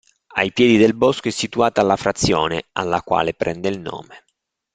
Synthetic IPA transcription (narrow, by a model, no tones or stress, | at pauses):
a̰jpjɛːd̪id̪elbɔskoɛsːit̪uaːt̪aːlːafɾat̪sːjɔːnea̰lːakwa̰ːlepɾɛnd̪eilno̰ːme